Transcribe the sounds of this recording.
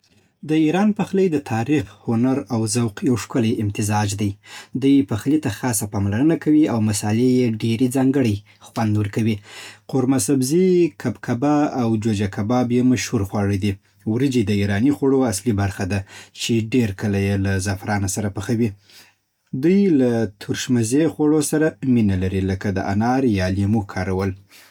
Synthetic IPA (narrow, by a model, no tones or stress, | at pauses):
d̪əiɾɑnpaxləjd̪ət̪ʰɑɾixhʊnaɾawzawqjawʂkəlajɪmt̪ɪzɑd͡ʒd̪ajd̪ujpəxlit̪axɑsapɑmlaɾənakawiawmasɑlejeɖeɾed͡zɑŋɡəɽəj | xwand̪wəɾkawiqʊɾmasabzikʰabkʰabaːwd͡ʒod͡ʒakabɑbjemaʃhuɾxwɑɽəd̪i | wɾəd͡ʒid̪əiɾɑnixwaɽoaslibaɾxad̪at͡ʃeɖeɾkəlajelazafɾɑnasaɾapəxawi | d̪ujlat̪ʰuɾʃmazexwaɽosaɾaminalaɾiləkad̪əʔa̰nɑɾjɑlemukʰɑɾawəl